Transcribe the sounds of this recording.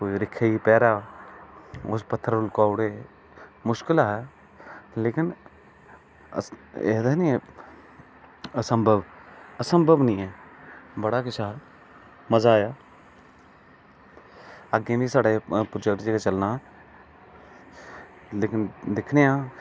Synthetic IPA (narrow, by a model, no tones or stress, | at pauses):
koːiɾɪkʰːeipɛːɾaː | ʊspət̪ʰːəɾʊlkaːʊɽeː | mʊʃkɪlaːɦɛ | leːkɪn | ɛ̰ːd̪anĩɛ | əsəmbʱəbəsə̃mbʱəbnəĩːɛːbəɽakɪt͡ʃa | məzaːjaː | əɡẽːbʱisaːɽepɾoːd͡ʒɛk̚ʈd͡ʒeːɡat͡ʃəlna | leːkɪnd̪ɪkʰneãː